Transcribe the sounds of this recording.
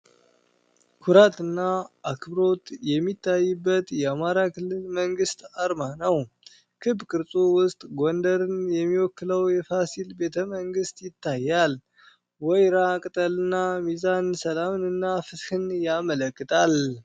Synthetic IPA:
kʰuɾat̪ɨnːaʔakʰbɾo̞t̪jɛmːit̪ʰːajːɨbːət̪jɛamaɾakʰɨlːɨlməŋɡɨst̪aɾmanəw | kʰɨbkʰʼɨɾsʼowʊst̪ʼɡond̪əɾɨnjɛmːiwɔkːɨləwjɛfasilbe̞t̪ʰəməŋɡɨst̪jɪt̪ːajːal | wɔjɾakʼɨt̪ʼəlɨnːamizansəlamnɨnːafɨt̪hɨnjamələkːɨt̪ʰʼal

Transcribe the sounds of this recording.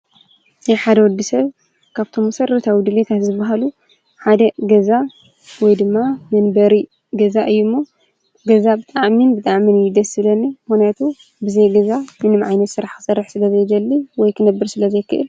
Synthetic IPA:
jħad̪ɐwɔd̪ːisɐβ | kʰaβt̪ʰo̞mːɐsɐɾːɐt̪ʰawid̪ɨlit̪ʰat̪zɨbaɦalu | ħad̪ɐɡɐza | wɔjd̪ɨmːamɨnbɐɾi | ɡɐzaʔɨjːumːo | ɡɐzabɨt̪ʼaʕminbɨt̪ʼaʕminjid̪ɐsɨlɐnːimɨxnjat̪ʰu | bɨzɐjɡɐzamɨnɨmʕajnɐt̪sɨɾaħkʰɨ̥sɐɾːɨħsɨlɐzɐjd̪ɐlːiwɔjkʰɨnɐbːɨɾsɨlɐzɐjkʰːɨ̰ʔɨl

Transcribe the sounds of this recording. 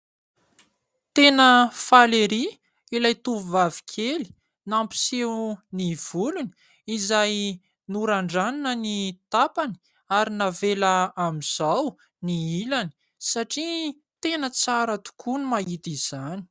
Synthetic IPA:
t̪enəfaleɾi | ilajt̪uvvavi̥kʲʰeli̥ | nampi̥sewniv̥uluni̥ | izaj | nuɾaɳɖ͡ʐaninənit̪apani̥ | aɾinavelaamiz̥aw | niilani̥ | saʈ͡ʂi | t̪enət͡saɾət̪u̥kʰunumaɦit̪iz̥ani̥

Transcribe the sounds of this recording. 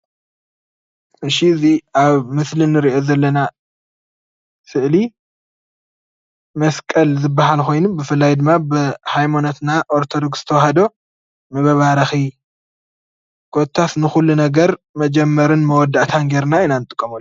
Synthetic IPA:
ɨʃiziaβmɨslɨnɨɾiʔo̞zɐlːɐna | sɨʔʕli | mɐskʼɐlzɨbːaɦalko̞jnumbɨfɨlːajd̪ɨmːabɨhajmonot̪naʔoɾt̪ʰo̞d̪oɡsɨt̪ʰɐwahɐd̪o̞ | mɐβɐβaɾɐxi | kʰot̪ʰːasnɨxulːunɐɡɐɾmɐd͡ʒɛmːɐɾɨnmɐwɔd̪ːaʔt̪ʰanɡeɾnainanɨt̪ʼɨkʼːɐmɐlːu

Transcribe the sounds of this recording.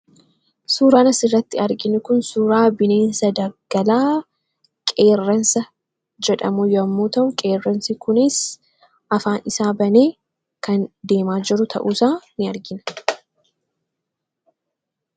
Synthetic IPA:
suːɾaːnɐsɪrːɐt̪ːɪɐɾɡɪnʊkʊnsuːɾaːbɪne̞ːnsɐd̪ɐɡ̥ɐlaː | kʼe̞ːrːɐnsɐ | d͡ʒɛᶑɐmujɐmːuːt̪ɐʔʊkʼe̞ːrːɐnsikʊnɪs | ʔɐfaːnɪsaːbɐneː | kɐnd̪e̞ːmaːd͡ʒɪɾʊt̪ʰɐ̰ʔuːsaːnɪɐɾɡɪnɐ̥

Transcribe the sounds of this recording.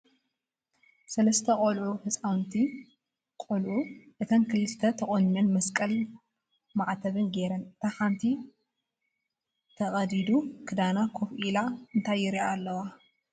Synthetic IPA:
sɐlɐst̪ʰɐkʼolʕuhɨt͡sʼawnt̪ʰi | kʼolʕuʔɨt̪ʰɐnkʰɨlɨst̪ʰɐt̪ʰɐχʼonɲɐnmɐskʼɐl | maʕt̪ʰɐβɨnɡe̞ɾɐnt̪ʰaħant̪ʰi | t̪ʰɐχʼɐd̪id̪ukʰɨd̪anakʰofʔilaɨnt̪ʰajːɪɾiaːlːɐwa

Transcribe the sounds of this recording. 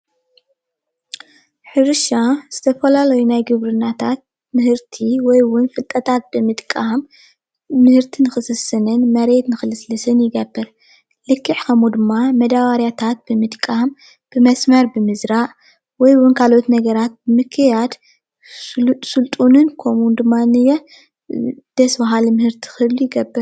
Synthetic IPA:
ħɨɾɨʃaz̥ɨt̪ʰɐfɐlalɐjunajɡɨβɾɨnːat̪ʰat̪̚ | mɨhɨɾt̪ʰiwɔjwʊnfɨlt̪ʼɐt̪ʰat̪̚b̥ɨmɨt̪kʼam | mɨhɨɾt̪ʰinɨxɨsɨsːɨnɨnmɐɾe̞t̪nɨxɨlɨslɨsɨnjɪɡɐbːɨɾ | lɨkʰːɨʕkʰɐmud̪ɨmːamɐd̪awaɾjat̪ʰat̪̚bɨmɨt̪kʼahm | b̥ɨmɐsmɐɾbɨmɨzɾaʔ | wɔjwʊnkʰalo̞t̪nɐɡɐɾat̪̚bɨmɨkʰːɨjad̪ | sɨlt̪ʼunɨnkʰo̞mund̪ɨmːanɨjɛ | d̪̥ɐsbaɦalmɨhɨɾt̪ʰi̥xɨlujɪɡɐbːɨɾ

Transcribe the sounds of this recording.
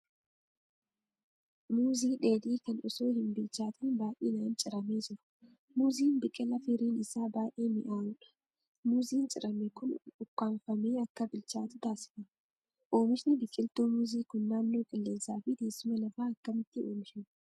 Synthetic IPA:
muːziːᶑe̞ːd̪iːkɐnɔso̞ːhɪnbɪlt͡ʃaːt̪ʰɐnbaːʔḭːnɐːnt͡ʃʼɪɾɐmeːd͡ʒɪɾʊ̥ | muːziːnbɪkʼːɪlɐfɪɾiːnɪsaːbaːʔeːmɪʔaːwʊᶑɐ̥ | muːziːnt͡ʃʼɪɾɐmɛkʊnʊkːaːɱfɐmeːɐkːɐbɪlt͡ʃaːt̪ʊt̪aːsɪ̥fɐn | ʔo̞ːmɪʃnɪbɪkʼːɪlt̪uːmuːziːkʊnːaːnːo̞ːkʼɪlːeːsaːfiːd̪e̞ːsːʊmɐlɐfaːɐkːɐmɪt̪ːɪoːmɪʃɪn

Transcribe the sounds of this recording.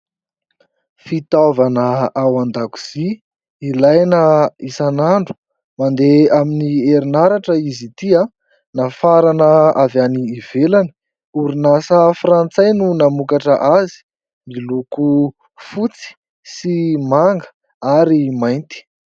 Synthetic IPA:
fit̪avanəawand̪aku̥z̥iː | lajnəisanaɳɖ͡ʐu̥ | mand̪eaminieɾinaɾaʈ͡ʂəizit̪ia | nafaɾanəavaniːv̥elanə̥ | uɾinasəfrant͡sajnunamukaʈ͡ʂəʔazi̥ | miluku | fut͡si̥ | simaŋɡə̥ | aɾimajnt̪i̥

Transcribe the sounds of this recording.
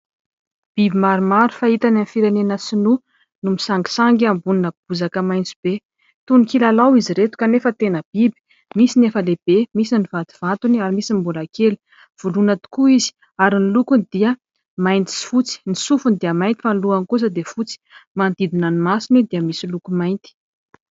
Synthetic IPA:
b̥ibimaɾumaɾu̥fait̪ananfiɾenenəsinu | numisaŋɡi̥saŋɡambuninəb̥uzakəmajnt͡si̥b̥e | t̪unikilalawiziɾet̪u̥kanefət̪enəb̥ibi̥ | misinefəleb̥emisiniv̥at̪u̥v̥at̪uniaɾimisimbulakeli̥ | v̥ulunat̪u̥kuizi̥ | aɾinilukunid̪iə | majnt̪i̥sfut͡si̥nisufund̪iəmajnt̪ifanluanikus̬əd̪efut͡si̥mand̪id̪inanimasinid̪iəmisilukumajnt̪i̥

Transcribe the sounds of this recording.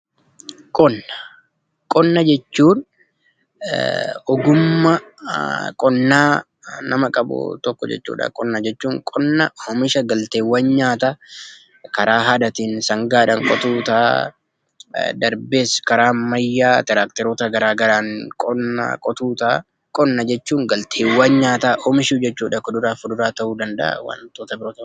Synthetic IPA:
kʼɔnːɐ̥ | kʼɔnːɐd͡ʒɛt͡ʃːuːn | ɔɡʊmːɐ | kʼɔnːaː | nɐmɐkʼɐbʊ̰t̪ɔkːɔd͡ʒɛ̰t͡ʃːṵːᶑɐ̰kʼɔnːad͡ʒɛt͡ʃːuːŋkʼɔnːɐhɔmɪʃɐɡɐlt̪eːwːɐnɲaːt̪ɐ | kɐɾaːɦɐd̪ɐt̪iːnsɐŋɡaːᶑɐŋkʼɔt̪uːt̪aː | d̪ɐɾbeːskɐɾaːmmɐjːaːt̪ɛɾaːkt̪ɛɾoːt̪ɐɡɐɾaːɡɐɾaːŋkʼɔnːa̰kʼɔt̪uːt̪aː | kʼɔnːɐd͡ʒɛt͡ʃːuːŋɡɐlt̪ʰeːwːaːɲɲaːt̪aɔmɪʃuːd͡ʒɛt͡ʃːuːᶑɐkɔd̪ʊɾaːfʊd̪ʊɾaːt̪ɐʔuːd̪ɐnd̪ɐ̰ʔɐ̰wɐ̰nt̪oːt̪ɐbɪɾoːt̪ɐ

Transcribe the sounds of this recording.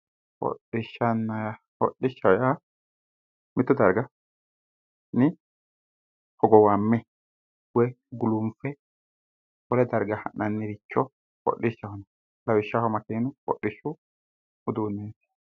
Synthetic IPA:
hɔ̰ɗːɪʃːɐnːɐja | hɔ̰ɗːɪʃːɐja | mɪt̪ːʊd̪ɐɾɡɐ | nɪ | hɔɡɔwamːɛ | wɛɡʊlʊmfɛ | wɔlɛd̪ɐɾɡɐhɐ̰nːɐnːɪɾɪt͡ʃːɔ | hɔ̰ɗɪʃːɐhɔnɐ | lɐwɪʃːahɔmɐkɛnʊhɔ̰ʔːɪʃːʊ | ʊd̪uːnːeːt̪ɪ̥

